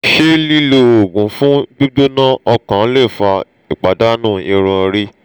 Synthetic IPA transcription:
ʃe˦li˦lo˧o˨ɡũ˨˦fũ˦d͡ʒu˦do˦nã˦ɔ˧kã˨˦le˦˨fa˧ | i˨k͡pa˨da˦nũː˦˨i˧ɾ̃ũ˧ɾi˦

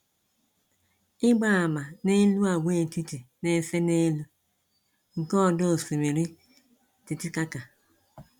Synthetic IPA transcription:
ɪ˦ɡ͡ba˦a˨ma˨ne˦lu˦a˨wʷe˦˨ti˦ti˨ne˨se˦ne˦lu˦ | ŋ̩˨kɔ˦˨do˦˨si˨mi˨ɾi˦ | ti˨ti˦ka˦ka˨

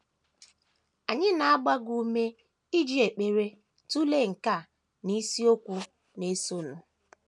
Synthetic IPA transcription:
a˨ɲɪ˦na˨a˦ɡ͡ba˦ɡu˦me˦ | i˦d͡ʒi˦e˨k͡pe˨ɾe˦ | tu˦le˦˨ŋ̩˨ka˦˨ | ni˦si˦o˦kʷu˦ | ne˨˦so˦˨nʊ˨

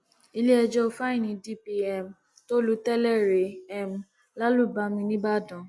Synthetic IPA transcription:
i˧le˦ɛ˧d͡ʒɔ˧fa˦ĩ˦˨nĩ˨˧˦di˦pi˧ɛ˦˨m | to˦lu˦tɛ˦lɛ˦˨ɾe˨ɛ˦˨m˨ | la˦lu˦˨ba˧˦mĩ˧nĩ˦ba˦˨dɔ̃˨

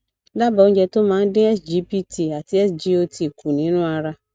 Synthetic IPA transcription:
da˦bã˨˦ɲ̩˦d͡ʒɛ˨tʊ˦mã˨˦n̩˦dɪ̃˦ɛ˦sd͡ʒi˦pi˦tʰi˨a˨tʰɪ˦ɛ˦sd͡ʒi˦o˦tʰi˨kʰu˨nɪ̃˨˦nʊ̃˦a˨ɾa˦

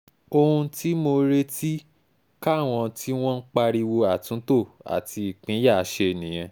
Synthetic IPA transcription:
o˧ũ˧ti˦mo˧ɾe˦ti˦ | ka˦˨w̃ɔ̃˧ti˦w̃ɔ̃˦n̩˦k͡pa˧ɾi˧wo˧a˨tũ˨˦to˦˨a̰˨ti˧i˨k͡pĩ˨˦ja˦˨˦ʃe˧e˨nĩ˨j̃ɛ̃˧

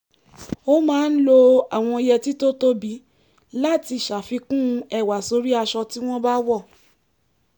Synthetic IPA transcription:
o˦mãː˨˦n̩˦lo˧a˨w̃ɔ̃˧i˧jɛ˧ti˦to˦to˦bi˨˦ | la˦˨ti˧˨ʃa˨fi˧kũ˦˧ɛ˦˨wa˨so˧ɾi˦a˧ʃɔ˧ti˦w̃ɔ̃˦ba˦wɔ˦˨

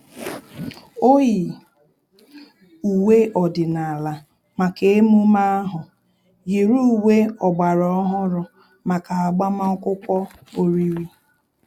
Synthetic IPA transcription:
o˦ji˨ | u˨we˦ʔɔ˨dɪ˨na˨a˨la˨ | ma˨ke˨e˦mu˦ma˦a˦ɦʊ˨ | ji˨ɾu˦u˨we˦ɔ˨ɡ͡ba˨ɾɔ˨ɔ˦ɦʊ˦ɾʊ˨ | ma˨ka˨a˨ɡ͡ba˦ma˦kʷʊ˦kʷɔ˦ | o˦ɾi˦ɾi˦

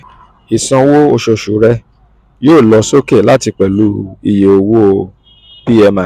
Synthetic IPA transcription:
i˨sã˧wo˦o˧ʃo˧ʃu˨˦ɾɛ˦ | joː˦˨lɔ˧˦so˦ke˦˨la˦ti˧k͡pɛ˨lu˨˦i˧je˨o˧wo˦˧ | pi˦ɛ˧mã˨

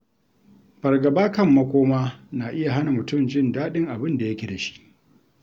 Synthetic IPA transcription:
b̥ɐ˨rɡɐ˨baː˦kɐ˦mːɐ˦kʷoː˦maː˦na˨ʔɪ˦ja˨ɦa˦na˨mʊ˨tʊ˦˨md͡ʒɪ˦ndaː˦ɗɪ˦ŋʔa˨bɪ˦nda˨jɐ˦kʲe˨da˨ʃi̥˦ʔ

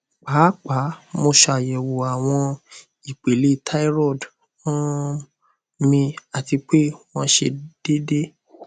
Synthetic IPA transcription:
k͡paː˨˦k͡pa˨˦mo˧ʃa˨jɛ˨wo˨a˨w̃ɔ̃˧ | i˨k͡pe˨le˨˦tʰa˦i˦ɾɔ˦˨d | ɔ̃˦ | mĩ˧a˨ti˧k͡pe˦w̃ɔ̃˦ʃe˧d̥e˦de˦

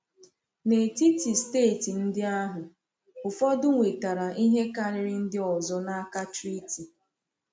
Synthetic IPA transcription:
ne˨ti˦ti˨steː˦˨ti˨n̩˦dɪ˦a˦ɦʊ˨ | ʊ˨fɔ˦dʊ˦ŋʷe˨ta˨ɾa˨ʔi˦ɦe˦ka˦ɾɪ˨ɾi˦n̩˦dɪ˦ɔ˨zɔ˦na˦ka˦t͡ʃɾi˦ti˨

